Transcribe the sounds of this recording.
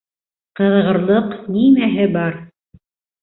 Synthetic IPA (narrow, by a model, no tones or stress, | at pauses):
qɤ̆ðʁɤ̆ɾlˠɤqnimæɦɘbɑɾ